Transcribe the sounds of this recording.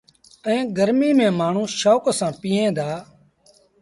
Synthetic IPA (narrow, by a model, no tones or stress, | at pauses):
ɛ̃ːɡəɾmiːmẽːmaːɳ̤ũːʃoːksãːpiːẽːd̪aː